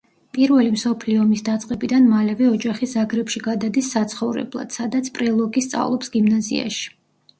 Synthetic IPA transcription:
pʼiɾvɛlimsɔpʰliɔmisd̪at̪sʼqʼɛbid̪anmalɛvɛɔd͡ʒaχisaɡɾɛpʃiɡad̪ad̪isːat̪sʰχɔvɾɛ̰blˠa̰d̪̥sad̪at̪sʰpʼɾɛlˠɔɡist̪sʼa̰vlˠɔpsɡ̥imnazḭa̰ʃi̥

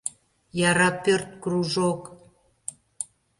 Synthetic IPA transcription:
jɑɾɑpørt̪̚kruʒok

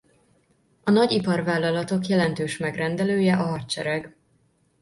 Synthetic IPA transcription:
ɒnɒɟipɒrvaːlːɒlɒt̪o̞kjɛlɛnt̪øːʃmɛɡrɛnd̪ɛløːjɛʔɒɦɒt̪t͡ʃɛɾɛɡ

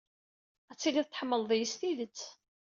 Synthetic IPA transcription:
æt͡sːiliðt̪ːə̥ħəmːəlðˤijəst̪iðət͡sː

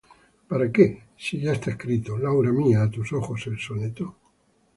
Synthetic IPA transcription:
paɾake | siʝaest̪aeskɾit̪olawɾamiaːt̪usoxoselsonet̪o

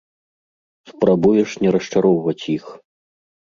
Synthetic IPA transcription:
spɾabujɛʂnʲɛɾɐʂt͡ʂaɾɔwvɐt͡sʲjix

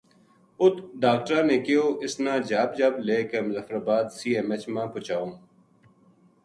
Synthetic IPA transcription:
ʊt̪ɖaːk̚ʈɾãːnẽːkeoːʔɪsnãːd͡ʑaːb̚d͡ʒaːbleːkemzɐfɾabaːd̪siːemet͡ʃmãːpʊt͡ʃaːũːm

